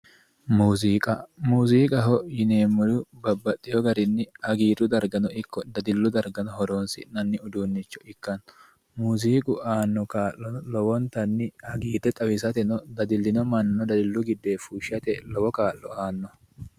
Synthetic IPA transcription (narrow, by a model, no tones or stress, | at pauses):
muːziːkʼɐmuːsiːkʼɐɦɔjɪneːmːʊlʊbɐbːɐt̪ʼːɪjɔɡɐɾɪnːɪhɐɡiːt̪ʊd̪ɐɾɡɐnɔɪkːɔd̪ɐd̪ɪlːʊd̪ɐɾɡɐnɔhɔɾoːnsɪ̰nɐnːɪʊd̪uːnːɪt͡ʃːɔɪkːɐn | muːsiːkʼʊʔaːnːɔkaːʔːɔlɔwɔnt̪ɐnːɪhɐɡiːt̪ːɛt̪ʼɐwɪsɐt̪ɛnɔd̪ɐd̪ɪlːɪnɔmɐnːɔd̪ɐd̪ɪlːʊɡɪd̪ːe̞ːfuʃɪɐt̪ɛlɔwɔkaːlːɔaːnːɔ